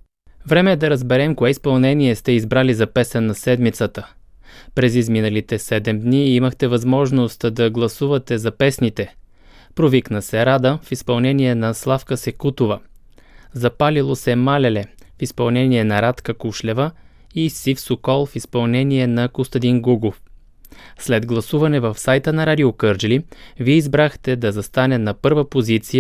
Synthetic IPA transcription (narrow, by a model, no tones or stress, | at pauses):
vɾɛmɛd̪ɐɾəzbɛɾɛmkoɛispɐlˠnɛniɛst̪ɛizbɾalizɐpɛsɛnːɐsɛd̪mit̪sət̪ə | pɾɛzizminəlit̪ɛsɛd̪ɛmd̪niiməxt̪ɛvɐzmɔʒnost̪d̪ɐɡlˠɐsuvət̪ɛzɐpɛsnit̪ɛ | pɾoviknəsɛɾad̪əfispɐlˠnɛniɛnɐslˠafkəsɛkut̪ovə | zɐpalilˠosɛmalɛlɛfispɐlˠnɛniɛnɐɾat̪kəkuʃlɛvə | isifsokɔlˠfispɐlˠnɛniɛnɐkost̪ɐd̪inɡuɡlof | slɛd̪ɡlˠɐsuvɐnɛvəfsajt̪ənɐɾad̪iokɤɾd͡ʒliviɛizbɾaxt̪ɛd̪ɐzɐst̪anɛnɐpɤɾvəpozit̪sijə